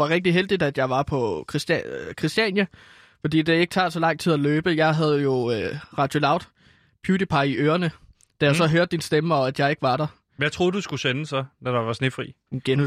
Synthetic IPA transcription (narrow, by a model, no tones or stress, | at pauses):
ʋɑʁɛɡ̥̚d̥iɦeld̥id̥æd̥jɑ̈ɪʋɑ̈pʰɒ̽kʰʁkʰʁisd̥ɛnjə | fɒ̽d̥ḭːd̥e̝e̝ɡ̥ət͡sʰɑ̰̈ːsɒ̽lɑ̈ŋ̰t͡sʰið̰ˠæløːb̥əjɑ̈ɪɦæð̞ˠjo̝øʁɑ̈d̥jo̝lɑ̈ʊd̥ | pʰjuːd̥ipʰɑ̈ɪiʔøːɐnə | d̥æjɑ̈ɪsɒ̽ɦøːɐd̥ːinsd̥eməɒ̽æd̥jɑ̈ɪe̝ɡ̥əʋɑ̈ɾ̥ɑ | jaɪt͡sʰʁo̝ːd̥usɡ̥usenəsɒnæd̥ɑ̈ʋɑ̈sne̝fʁḭː | nɡ̥enu